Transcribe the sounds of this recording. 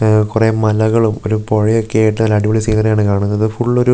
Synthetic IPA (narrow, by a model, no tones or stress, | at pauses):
kure̞ːmɐlɐɣɐɭumo̞̰ɾupoɻijokːeːʈːɨnɐlːɐɽiʋɐɭisiːnɐrijaːɳɨkaːɳunːɐðɨfuɭːoɾu